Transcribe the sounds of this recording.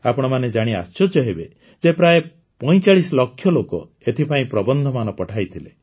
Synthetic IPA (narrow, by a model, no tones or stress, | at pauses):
apɔɽ̃ɔmaned͡ʒaɽ̃ia̰st͡ʃɔd͡ʒɔɦebe | d͡ʒepɾae | pɔj̃t͡ʃaɭisɔlɔkʰːjɔlokɔ̰ | et̪ʰipaĩpɾɔbɔnd̪ʱɔmanɔpɔʈʰajt̪ʰile